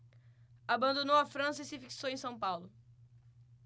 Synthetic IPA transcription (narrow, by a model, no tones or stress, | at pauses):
abɐ̃nd̪onowɐfɾɐ̃sɐisɪfiksowẽsɐ̃w̃pawlʊ